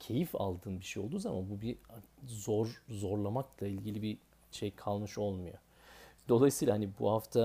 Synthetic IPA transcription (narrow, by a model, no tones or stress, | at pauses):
cʰe̞jifa̰lˠd̪ɯːnbiʃejo̞lˠd̪uːzama̰nbubizoɾzo̞ɾlˠamaklˠailʲɟilʲibi | ʃejkʰalˠmɯʃo̞lˠmujo̞̰ | d̪̥o̞lˠajsɯːlahanibṵhaft̪ʰa